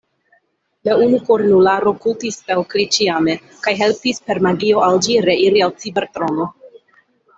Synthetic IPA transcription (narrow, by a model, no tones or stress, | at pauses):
launukoɾnulaɾo̞kultispelkɾit͡ʃiame̞ | kajɦe̞lpispe̞ɾmaɡio̞ald͡ʒiɾe̞iɾialt͡sibeɾt̪ɾo̞no